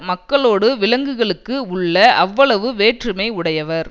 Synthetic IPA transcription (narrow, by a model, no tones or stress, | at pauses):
mɐkːɐɭoːɽɯʋɪlɐŋɡɯɣɐɭɯkːɯʊɭːɐʔɐʋːɐɭɐʋɯʋeːʈrɯmɐɪʊɽɐjɐʋɐɾ